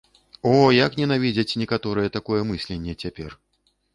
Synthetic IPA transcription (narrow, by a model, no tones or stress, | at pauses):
ɔjaknʲɛnavʲid͡zʲɐt͡sʲnʲɛkat̪ɔɾɨjɛt̪akɔjɛmɨsʲlʲenʲːɛt͡sʲapʲɛr